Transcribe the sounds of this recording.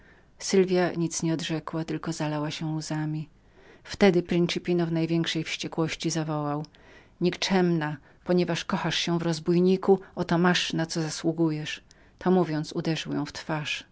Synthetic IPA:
sɘlvʲjaɲit̪sɲɛɔd̪ʐɛkwat̪ɘlkɔzalawaɕɛuzamʲi | ft̪ɛd̪ɘpɾint͡ʂɨpʲinɔvnajvʲjɛŋkʂɛjfɕt͡ɕɛkwɔɕt͡ɕizavɔwaw | ɲikt͡ʂɛmna | pɔɲɛvaʂkɔxaʂɕɛvɾɔzbujɲikuɔt̪ɔmaʂnat̪sɔzaswuɡujɛʂ | t̪ʰɔmuvʲjɔnt̪sud̪ɛʐɨwjɔ̃w̃ft̪faʂ

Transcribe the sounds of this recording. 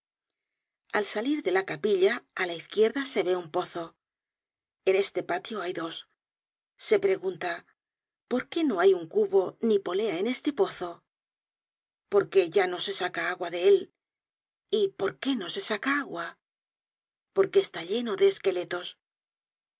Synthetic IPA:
alsaliɾðe̞lakapiʎaːlaiθkje̞ɾðase̞βe̞umpo̞θo̞ | ene̞st̪e̞pat̪jo̞ajðo̞s | se̞pɾe̞ɣunt̪a | po̞ɾke̞no̞ajuŋkuβo̞nipo̞le̞aene̞st̪e̞po̞θo̞ | po̞ɾke̞ʝano̞se̞sakaaɣwaðe̞el | ipo̞ɾke̞no̞se̞sakaaɣwa | po̞ɾke̞ːst̪aʎe̞no̞ðe̞ːske̞le̞t̪o̞s

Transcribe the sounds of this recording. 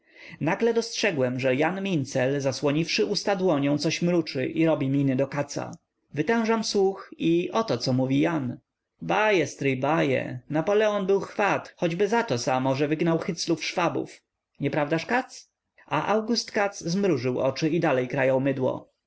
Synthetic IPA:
naɡlɛd̪ɔstʂɛɡwɛmʐɛjanmʲint̪sɛlzaswɔɲifʂɘʔust̪ad̪wɔɲɔ̃w̃t̪sɔɕmɾut͡ʂɘ̰ʔiɾɔbʲimʲinɘd̪ɔkat̪sa̰ | vɘt̪ɛ̃w̃ʐamswuxiʔɔt̪ɔt̪sɔmuvʲijan | bajɛst̪ɾɘjbajɛ̰napɔlɛɔnbɘwxfat̪xɔd͡ʑbɘzat̪ɔsamɔʐɛvɘɡnawxɘt̪slufʂfabṵf | ɲɛpɾavd̪aʂkat̪s | aʔawɡust̪kat̪szmɾuʐɘwɔt͡ʂɘid̪alɛjkɾajawmɘd̪wɔ̰

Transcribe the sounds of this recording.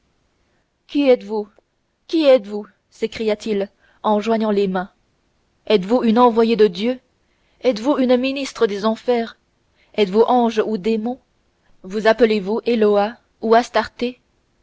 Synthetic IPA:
kʲiɛt̪vu | kʲiɛt̪vu | sekχijat̪il | ɑ̃ʒwaɲɑ̃lemɛ̃ | ɛt̪vuynɑ̃vwajed̪əd̪jø | ɛt̪vuynminist̪χəd̪ezɑ̃fɛːʁ | ɛt̪vuʔɑ̃ʒud̪emɔ̃ | vuzapəlevuʔelɔa | uast̪aʁt̪e

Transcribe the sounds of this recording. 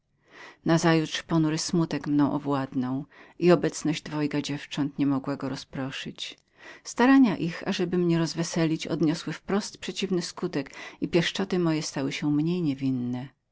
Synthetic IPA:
nazajutʂpɔnuɾɘsmut̪ɛkmnɔ̃w̃ʔɔvwad̪nɔ̃w̃iɔbɛt̪snɔʑd͡ʑd̪vɔjkad͡ʑɛft͡ʂɔnt̪ɲɛmɔɡwaɡɔɾɔspɾɔʂɘt͡ɕ | st̪aɾaɲaʔixa̰ʐɛbɘmɲɛɾɔzvɛsɛlʲit͡ɕɔ̰d̪ɲɔswɘfpɾɔst̪pʂɛt͡ɕivnɘskut̪ɛkipʲjɛʂt͡ʂɔt̪ɘmɔjɛst̪awɘɕɛmɲejɲɛvʲinːɛ

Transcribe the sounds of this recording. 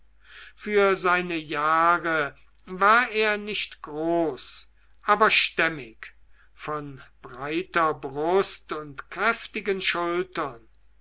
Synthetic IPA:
fyːɐzaɪnəjaːʁə | vaːɐeːɐnɪʃtɡ̥ʁoːs | ʔaːbɐʃtɛmɪk | fɔnb̥ʁaɪtɐbʁʊstʊntkʁ̥ɛftɪɡənʃʊltɐn

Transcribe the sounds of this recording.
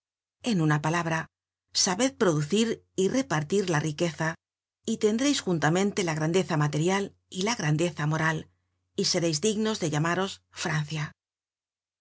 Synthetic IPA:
e̞nunapalaβ̞ɾa | saβeð̚pɾo̞ðuθiɾ | ire̞paɾt̪iɾlarʔike̞θa | it̪e̞nd̪ɾejsxunt̪amẽ̞nt̪e̞laɣ̞ɾand̪e̞θamat̪e̞ɾjal | ilaɣ̞ɾand̪e̞θamo̞ɾal | ise̞ɾejzd̪iɣno̞zðe̞ʎamaɾo̞sfɾan̟θja

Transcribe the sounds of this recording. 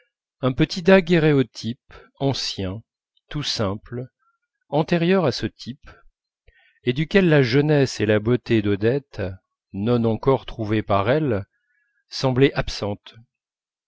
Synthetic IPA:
ɛ̃pət̪ʰid̪aɡeʁeɔt̪ʰip | ɑ̃sjɛ̃ | t̪usɛ̃pl | ɑ̃t̪eʁjœʁasət̪ʰip | ed̪ykʲɛlːaʒənɛselabot̪ed̪ɔd̪ɛt̪ | nɔnɑ̃kɔʁt̪χuvepaʁɛl | sɑ̃blɛʔapsɑ̃t̪

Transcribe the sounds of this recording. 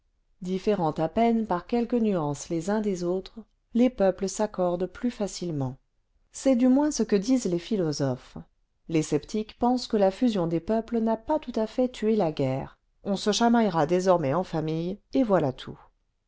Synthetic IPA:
d̪ifeʁɑ̃t̪apɛnpaʁkʲɛlkənyɑ̃slezɛ̃d̪ezot̪χ | lepœpləsakɔʁd̪plyfasilmɑ̃ | sɛd̪ymwɛ̃səkəd̪izlefilɔzɔf | lesɛpt̪ikpɑ̃skəlafyzjɔ̃d̪epœplənapat̪ut̪afɛt̪ʰyelaɡɛːʁ | ɔ̃səʃamajʁad̪ezɔʁmɛɑ̃famijevwalat̪ʰu

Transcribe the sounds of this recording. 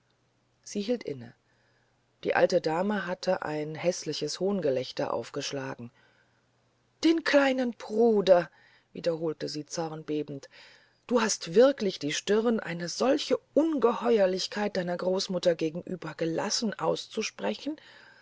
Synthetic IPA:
z̥iːhiːltʔɪnə̰ | d̥ḭːʔa̰ltədaːməɦatʰəʔa̰ɪnɦɛslɪçəshoːnɡəlɛçtɐ̰ʔa̰ʊfɡ̥əʃla̰ːɡŋ̩ | d̥eːnkʰl̥aɪnənb̥ʁuːdɐ | vḭːdɐɦoːltəziːt͡sɔʁɐnbeːbn̩t | d̥uːɦastv̥ɪɐklɪçd̥iːʃtɪʁnʔa̰ɪnəzɔlçəʔʊnɡəhɔʏɐlɪçkʰaɪt̚d̥aɪnɐɡʁoːsmʊtɐɡeːɡŋ̩ʔyːbɐɡəla̰sn̩ʔaʊst͡suʃpʁ̥ɛçn̩

